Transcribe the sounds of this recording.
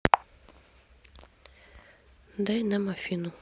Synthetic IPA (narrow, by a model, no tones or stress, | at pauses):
nd̪ajnamafinu